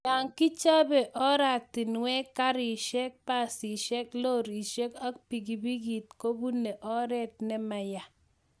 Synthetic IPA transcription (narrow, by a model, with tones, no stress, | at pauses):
ja˨ŋki˦t͡ʃa˦bɛ˨ʔɔ˦ɾa˨k̚ti˨nwɛ˦kːa˦ɾɪ˨ʃɛ˦k̚pa˦˨si˨ʃɛ˦klo˦˨ɾi˨ʃe˦ka˦k̚pi˨ɡi˨bi˦ɡi˨t̚ko˦bu˦nɛ˨ʔɔ˦ɾɛ˦t̚nɛ˦ma˨ja˨